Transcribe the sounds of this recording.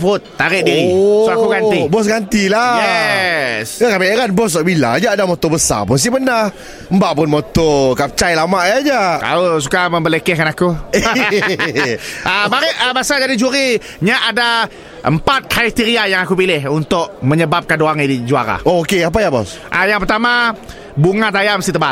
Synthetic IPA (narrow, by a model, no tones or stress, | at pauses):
fʊt̪ːaɾɪʔ̚diɾisoakuɡanibɔs̬ɡant̪ilajɛ | sakameɾanbɔs̬aʔbila̰d͡ʒaadamɔt̪ɔbəsa̰pʊns̬ibənah | mbaʔpʊnmot̪ɔkap̚t͡ʃajlamaʔjad͡ʒaʔka̰los̬ukaməmbəlekɛhkanaku | əbaɾɪʔəbasad͡ʒadit͡ʃuɾi | ɲaʔada | ʔə̰mpat̪̚kɾait̪iɾiajaŋakupilɪhunt̪ʊʔməɲəbap̚kanduaŋidid͡ʒua̰ɾa̰ookeap̬ajabɔ̰s | ʔajaŋpərt̪ama | buŋat̪ajamsit̪əbat